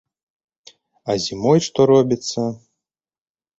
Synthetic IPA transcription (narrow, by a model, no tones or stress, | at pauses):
ɐzʲimɔjʂt̪ɔɾɔbʲit̪sːɐ